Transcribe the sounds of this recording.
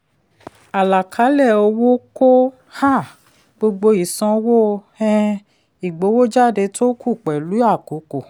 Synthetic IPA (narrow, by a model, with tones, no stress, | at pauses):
a˨la˨kʰa˨˦lɛ˦˨o˧wo˦ko˦ | ha˦˨ | ɡ͡bo˧ɡ͡bo˧i˨sɔ̃˧wo˦˧ | ɛ̃˧ | i˨ɡ͡bo˨˦wo˦d͡ʒa˦˨de˧tʰo˦kʰu˦˨k͡pɛ˨lu˨˦a˦˨ko˨˦ko˨